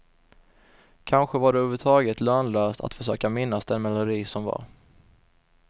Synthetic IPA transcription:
kʰanɧəvaɖɛɵːvət̪ʰɑːɡət̪lœːnløːst̪ʰa̰t̪fœʂø̰ːkamɪnːasd̪ɛnmɛlʊɾiːsɔmva̰ɾ

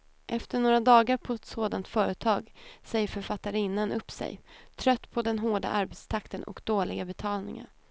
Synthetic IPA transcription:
ʔɛft̪əɳoːɾad̪ɑːɡaɾpʰɔɛt̪soːd̪ant̪fœːɾət̪ʰɑːɡsɛjːəɾfœɾfat̪ːaɾɪnːanʔɵpːsɛ̰jt̪ʰɾœt̪ːpʰɔd̪ɛnɦoːɖa̰ʔaɾbɛt̪st̪ʰakt̪ənɔ̰kd̪oːlɪɡabɛt̪ʰɑːlnɪ̰ŋə̰n

